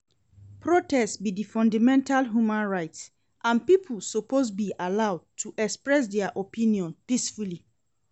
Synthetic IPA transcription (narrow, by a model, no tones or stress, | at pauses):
pʰɹotɛstsbidifɔ̃ndamɛ̃ntalɦjumãnɹaɪts | ʔãnpipʰulsopʰozbiʔalawd̚tʰuʔɛkspɹɛs̬dɛaʔopĩniɔ̃npisfuli